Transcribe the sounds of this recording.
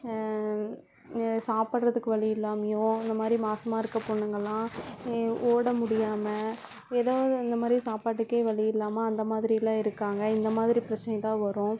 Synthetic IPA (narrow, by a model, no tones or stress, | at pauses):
saːpaːʈɾɐðɯkːɯʋɐɭɪjɪlːaːmɐjõːɪnd̪ɐmaːd̪ɾimaːsɐmaːɪɾɯkːɐpːoːɳːɯŋɡɐlːãː | oːɽɐmʊɽɪjaːmɐ | eːðaːʋðɯɪnd̪ɐmaːd̪ɾisaːpaːʈːɯkːeːʋɐɭɪjɪlːaːmaɐnd̪ɐmaːðɪɾɪjɐlːãːɪɾɯkːaːŋɡɐɪnd̪ɐmaːðɾipɪɾɐt͡ʃːɐnɐjt̪ãːʋɐɾʊ̃ː